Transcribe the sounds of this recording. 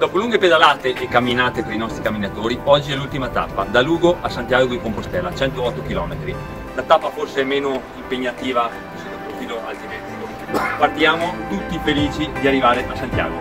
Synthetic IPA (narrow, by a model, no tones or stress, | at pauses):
d̪ɔːpoluŋɡeped̪alaːt̪eʔɛkːamːinaːt̪epɾainɔst̪ɾikamːinat̪oːɾiɔd͡ʒːiɛlːult̪imat̪apːa̰d̪aluːɡoʔasːant̪jaːɡoiŋkompost̪ɛlːat͡ʃɛnt̪oɔt̪ːokilɔːmet̪ɾi | lat̪apːaforseɛmːeːnoimpeɲːat̪iːva | esiopɾofiːloʔalt̪iveio | part̪jaːmot̪ut̪ːifeliːt͡ʃid̪iarːivaːɾeasant̪ja̰ːɡo